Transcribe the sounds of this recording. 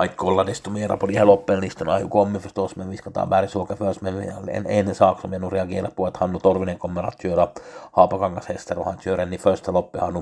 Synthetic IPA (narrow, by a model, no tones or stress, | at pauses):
ɑikkolːɑdest̪umeːrɑ̰polihelopːenlist̪onɑ̰jukomːiføst̪osmeʋʋiskɑt̪ɑ̰ːʋʋæːrisuokːɑførsmenʋiḛnenːesɑːksomienureɑɡeːrɑt̪puet̪hɑnːut̪orʋineŋkomːerɑ̰t̪syøɾɑhɑːpɑkɑŋkɑshest̪erohɑnsyøɾenniførst̪elopːihɑnu